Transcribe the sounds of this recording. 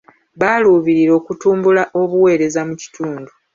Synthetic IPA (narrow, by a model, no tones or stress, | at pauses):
βaːluːβiɾiɾo̞ːkutuːmbulaʔo̞βuwe̞ːɾe̞zamuci̥tuːndu